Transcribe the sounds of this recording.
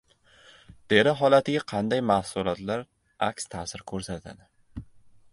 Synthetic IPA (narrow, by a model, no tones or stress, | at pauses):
d̪̥e̞ɾɪɦɒlat̪ɪɡʲaqʰɑnd̪ajmahsʊlˠɒt̪laɾ | ʔakʲst̪ʰasɪɾkʰɵɾsat̪ʰa̰d̪ɪ